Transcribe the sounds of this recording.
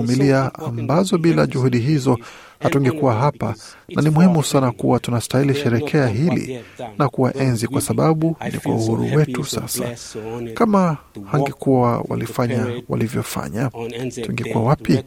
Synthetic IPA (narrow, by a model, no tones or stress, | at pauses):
miliaambazɔɓilaʄuhuɗiɦizɔ | hatuŋɡɛkuwaɦapa | nʔanimuhimusanakuwatunastailiʃɛɾɛkʰɛaɦilḭnakuwaʔɛnzikwasaɓaɓunḭkwa̰uhuɾṵwɛtusa̰sa̰kamahaŋɡɛkuwawa̰lifaɲawa̰livjɔfa̰ɲatuŋɡɛkuwawapi